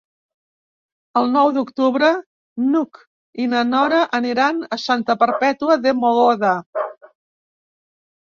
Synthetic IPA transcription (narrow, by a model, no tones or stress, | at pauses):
əlˠnɔwðukt̪uβɾə | nuk | inənɔɾəʔəniɾanəsant̪əpəɾpɛt̪uəðəmoɣoðə